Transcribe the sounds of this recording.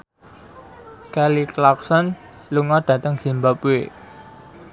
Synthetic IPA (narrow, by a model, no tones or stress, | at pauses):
kɛliklak̚sɔn | luŋɔɖ̥ä̤t̪əŋz̥i̤mbapwe